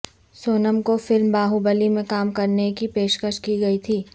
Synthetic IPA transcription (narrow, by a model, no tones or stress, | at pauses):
soːnəmkofɪlmbaːɦubəlimẽkaːmkɐɾnekipeːʃkəʃkiɡɐit̪ʰiː